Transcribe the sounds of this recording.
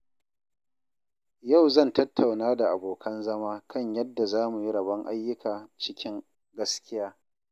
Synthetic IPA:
ja˦˨wzɐ˦˨ntɐ˦tʰːa˨wnaː˦da˨ʔa˨boː˨kʰɐ˦nzɐ˦maː˦kʰɐ˦˨ɲjɐ˦dːa˨zaː˦mu˨ji˦ɾɐ˨bɐ˦ŋʔa̰˦jːʊ˦kaː˨t͡ʃɪ˦kʲɪ˦ŋ | ɡɐ˦skʲɪ˦jaː˦

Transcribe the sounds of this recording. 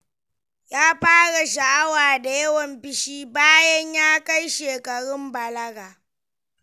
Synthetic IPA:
jaː˦ɸaː˦ɽa˨ʃa˨ʔa˦waː˨da˨jɐ˦wɔ˨mbɪ˦ʃiː˦baː˦jɐ˦ɲjaː˦ka˦jʃeː˨kɐ˨ɽɪ˦mbɐ˨lɐ˦ɡaː˨

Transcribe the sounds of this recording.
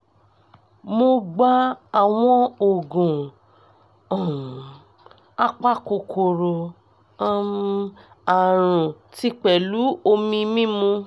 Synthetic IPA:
mo˧ɡ͡ba˦a˦˨w̃ɔ̃˧o˨ɡũ˨ | a˦k͡pa˦ko˨kʰo˨ɾo˨ | a˦ | a˨ɾ̃ũ˨ | ti˦k͡pɛ˨lu˨˦o˧mĩ˧mĩ˦mũ˧

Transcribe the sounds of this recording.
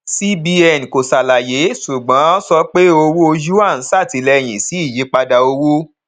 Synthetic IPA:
si˦bi˧ɛ˦˨n˨ko˨sa˨la˨je˨˦su˨ɡ͡bã˨˦o˦sɔ˧˦k͡pe˦o˧wo˦o˧d͡ʒu˦a˦˨n̩˨˦sa˦˨ti˨˦lɛ˦˨j̃ĩ˨si˨˦i˦˨ji˨˦k͡pa˧da˧o˧wo˦

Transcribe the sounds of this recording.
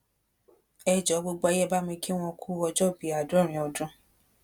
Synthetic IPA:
ɛ˧d͡ʒɔ˨˦ɡ͡bo˦ɡ͡bo˦a˧jɛ˦ba˦mĩ˧kʰi˦w̃ɔ̃˧kʰu˦ɔ˧d͡ʒɔ˦˨bi˨˦a˨dũ˨˦ɾ̃ĩ˨ɔ˧dũ˦

